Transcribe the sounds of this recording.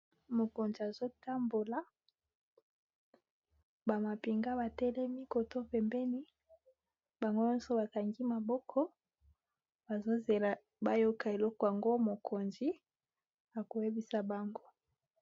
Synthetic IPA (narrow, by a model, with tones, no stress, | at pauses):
mo˨ko˨nzi˨a˨zo˦ta˦mbo˨la˨ | ba˨ma˨pi˨ŋɡa˦ba˨tɛ˦lɛ˦mi˦ko˨to˦pɛ˨mbɛ˦ni˦ | ba˨ŋɡo˦jɔ˦nso˦ba˨ka˨ŋɡi˦ma˨bɔ˦kʰɔ˦ | ba˨zo˦ze˨la˨ | ba˦jo˦ka˨e˨lɔ˦kɔ˨ja˨ŋɡo˦mo˨kʰo˨nzi˦ | a˨ko˨je˦bi˦sa˨ba˨ŋɡo˦